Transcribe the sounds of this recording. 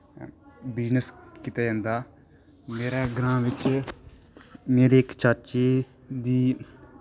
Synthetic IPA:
bɪd͡ʒnəskit̪aːd͡ʒãːnd̪aː | meːɾaːɡɾãːʋɪt͡ʃ | meːɾiːɪkt͡ʃəɾt͡ʃeː | d̪iː

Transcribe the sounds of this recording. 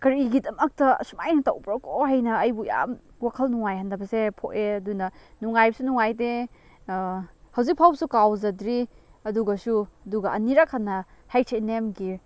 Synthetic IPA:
kɐɾiɡidɐmɐk̚tɐ̰sumajnɐtɐwbɾakoɦajnɐɐjbuja̰m | wakʰɐlnuŋajhandɐbɐsepʰoʔeɐdunɐnuŋajbɐsunuŋajde | hɐwzik̚pʰawsukawzɐdɾi | ɐduɡɐsuɐduɡɐɐniɾakʰanːɐ | hajtʰenemɡi

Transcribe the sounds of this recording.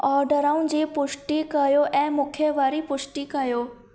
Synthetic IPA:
ɔːɾɖəɾaːʊ̃nd͡ʑiːpʊʃʈikɐjoʔɛ̃ːmʊkʰeʋaːɾipʊʃʈikɐjoː

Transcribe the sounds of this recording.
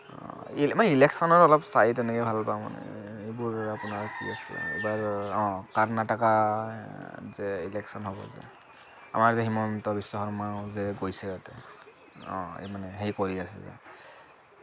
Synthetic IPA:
ilmanilɛksɔnɔɹɔlɔpsajtɛnɛkɛbʱalpamɔ̰nɛ̰ | ejbuɹapunaɹkḭasil̰ḛbaɹɔ̃kaɹnataka | zɛilɛksɔnɦɔbɔ̰zɛ̰ | a̰maɹzɛximɔntɔbisːɔxɔɹmawzɛɡojsɛɡatɛ̰ | ɔ̰̃ḛmanɛɦejkɔɹiasɛ̰zɛ̰

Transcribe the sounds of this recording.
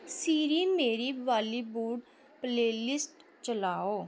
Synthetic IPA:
siːɾiːmeːɾiːʋaːliːbuːɖ | pleːlɪsʈ | t͡ʃəlaːoː

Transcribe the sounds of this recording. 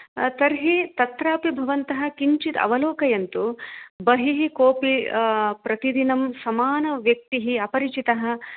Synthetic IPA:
t̪ɐɾɦit̪ɐt̪ɾaːpibʱɐʋɐnt̪ɐɦɐ̆kiɲt͡ʃit̪ɐ̰ʋɐloːkɐjɐnt̪ubɐɦiɦikoːpipɾɐt̪id̪inɐmsɐmaːnɐʋjɐk̚t̪iɦiɐpɐɾit͡ʃit̪ɐɦɐ̆

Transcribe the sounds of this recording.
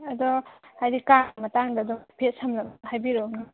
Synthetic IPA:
adɔhajdikamataŋdadɔŋpʰet̚samlahajbiɾɔna

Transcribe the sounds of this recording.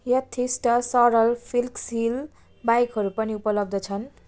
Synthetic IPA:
jʌt̪ʰːisʈʌsʌɾʌlpʰilksil | bajkɦʌɾupʌniupʌlʌb̚d̪ʌt͡sʰʌn

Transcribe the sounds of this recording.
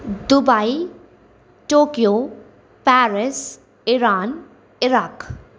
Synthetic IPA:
d̪ubaj | ʈokijo | paɾɪs | iɾaːn | iɾaːk

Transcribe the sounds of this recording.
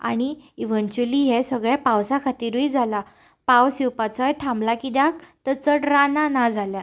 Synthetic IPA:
a̰ɽ̃iiʋənt͡ɕuliɦɛsəɡɭjapawsakʰat̪iːɾuid͡zʱala | pawsiwpat͡səjʈʰãmblakid̪ak̚t̪ət͡səʈɾananad͡zʱalja

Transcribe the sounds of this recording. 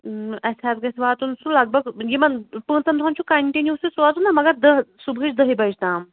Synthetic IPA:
ɐsat̪ɡesʋat̪unsulaɡ̚bəɡjimənpət̪ənd̪ʱʰãnt͡ɕʰũkɐɳʈinjususʋat̪unːaməɡad̪əɦsubʱit͡ʃd̪əɦibad͡ʑt̪ãm

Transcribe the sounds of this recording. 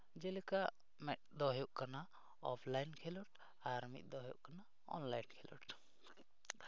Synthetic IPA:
d͡ʒɛlɛka | mɛt̪̚ˀd̪ɔɦjɔʔkana | ɔpʰlajnkʰɛlɔʈ | aɾmḭt̪̚ˀd̪ɔɦɔjɔ̰ʔkana | ɔ̰nlajnkʰɛlɔ̰ʈ

